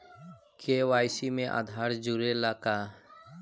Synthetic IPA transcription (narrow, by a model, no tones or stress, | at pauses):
kʰeːʋaːjsimẽʔa̰d̪ʱaːɾd͡ʒuɾelaːka